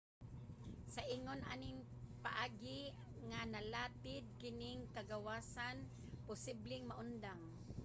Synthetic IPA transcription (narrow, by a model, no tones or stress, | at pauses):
sɐʔiŋonʔanɪŋ | paʔaːɡɪ | ŋanalaːt̪ɪd̪̚kɪnɪŋkɐɡawaːsan | pʊsɪblɪŋmɐʔʊnd̪aŋ